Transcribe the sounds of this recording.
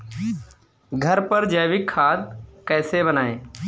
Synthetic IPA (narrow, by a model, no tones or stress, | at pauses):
ɡʱəɾpəɾd͡ʒəːʋɪkʰːaːd̪̚kɛːsebənaːeː